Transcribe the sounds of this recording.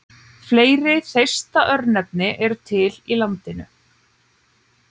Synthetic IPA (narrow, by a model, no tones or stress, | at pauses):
fleːjɾɪθejst̪aʔœɾnnɛp̚nɪʔɛɾʏt̪ʰɪlilant̪ɪnʏ̰